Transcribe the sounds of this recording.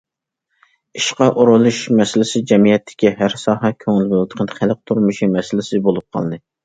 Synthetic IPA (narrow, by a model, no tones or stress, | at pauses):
iʃqɑʔoɾolˠuʃmɛsɪlɪsɪd͡ʒɛmijɛt̪ʰːɪ̥kʲiɦæɾsɑːɦɛkʲʰøŋɪlbolˠt̪ə̥qʰənd̪χʰælq̚t̪ʰuɾmuʃimɛsɪlɪsɪbolˠup̚qʰɑ̰lˠd̪ɨ